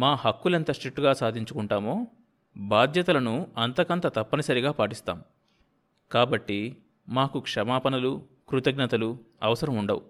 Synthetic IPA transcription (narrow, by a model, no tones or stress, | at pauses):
maːhɐkːulɐnt̪ɐʂʈɾiʈːuɡaːsaːd̪ʱiɲt͡ʃukuɳʈaːmo̞ː | baːd̪ʱjɐt̪ɐlɐnuɐnt̪ɐkɐnt̪ɐt̪ɐpːɐnɐsɐɾiɡaːpaːʈist̪a̰ːm | kaːbɐʈːi | maːkukʂɐmaːpɐnɐlu | kɾut̪ɐɡnɐt̪ɐlu | ɐʋɐsɐɾɐmuɳɖɐwṵ